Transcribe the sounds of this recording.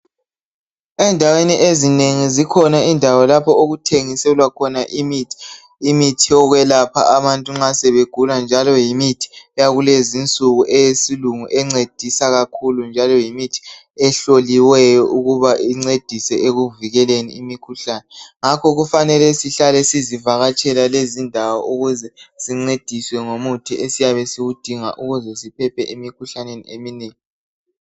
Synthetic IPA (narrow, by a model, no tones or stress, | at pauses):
ɛndʱaweniʔezineŋizikʰɔnaindʱawalapʰɔoɣutʰeŋisɛlwakʰɔnaʔim | imitʰiɔɣwɛlapʰa̰ʔaβantʼuŋ͡ǁasɛβeɡ̥ʱuland͡ʒʱalɔjimitʰi̥jaɣulezint͡sʼuɣuʔɛjesiluŋuʔɛŋ͡ǀed̥ʱisaɣakʰulund͡ʒʱalɔjimitʰi̥ | ɛɬoliwɛjɔʔuɣuβaʔiŋ͡ǀed̥ʱisɛʔeɣuviɣɛlenḭimikʰuɬaːnɛŋakʰɔɣufanɛlɛsiɬalɛsizivaɣat͡ʃʼɛlalezindʱawɔʔuɣuzɛsiŋ͡ǀed̥ʱiswɛŋomutʰiʔesijaβɛsiɣud̥ʱiŋa̰ʔuɣuzɛsipʰɛpʰɛʔimikʰuɬanenḭemineːŋi